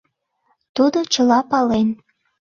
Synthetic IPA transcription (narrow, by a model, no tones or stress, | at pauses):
t̪ud̪ot͡ɕəlɑpɑlen